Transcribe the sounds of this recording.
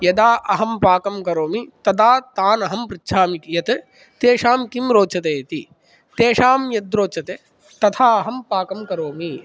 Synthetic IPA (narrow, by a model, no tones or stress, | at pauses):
jɐd̪aːʔɐɦɐmpaːkɐmkɐɾoːmit̪ɐd̪aːt̪aːnɐɦɐmpɾɪtːʃʰaːmikjɐt̪ | t̪eːʃaːmkimɾoːt͡ʃɐt̪eːt̪i | t̪eːʃaːmjɐd̪̚ɾoːt͡ʃɐt̪e | t̪ɐt̪ʰaːɐɦɐmpaːkɐmkɐɾoːmi